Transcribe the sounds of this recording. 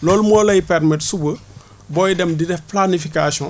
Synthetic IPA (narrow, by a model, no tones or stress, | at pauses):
lɔːlumɔːlɐjipɛrmitsubə | bɔjidɛmdidɛfplanifikasɔ̃